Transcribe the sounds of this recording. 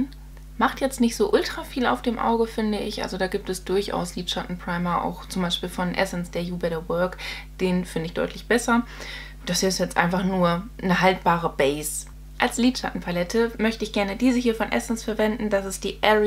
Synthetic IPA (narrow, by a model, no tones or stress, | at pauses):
maχtjɛt͡stnɪçtz̥oːʔʊltʁ̥afiːla̰ʊfd̥eːmʔa̰ʊɡəfɪndəɪçʔa̰lzodaːɡiːp̚tɛsd̥ʊɐçʔa̰ʊsliːtʃatn̩pʁ̥aɪmɐʔa̰ʊxt͡sʊmbaɪʃpiːlfɔnʔɛ̰sn̩sd̥eːɐjuːbɛɾɐwœɐk | d̥eːnfɪndəɪçd̥ɔ̰ʏtʰlɪçb̥ɛsɐ | d̥asɪsjɛt͡stʔa̰ɪnfaχnuːɐ | nəɦalt̚b̥aːʁ̞əbɛɪs | ʔalsliːtʃa̰tn̩pʰalɛtʰəmœçtəɪçɡ̥ɛɐnədiːzəhiːɐfɔnʔɛ̰sn̩sfɛɐvɛndn̩dasɪstd̥iːʔɛ